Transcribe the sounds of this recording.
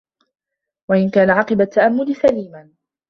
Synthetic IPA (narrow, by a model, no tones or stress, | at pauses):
waʔɪnkaːnaʕɑqɨbat̪ːaʔamːʊlɪsaliːman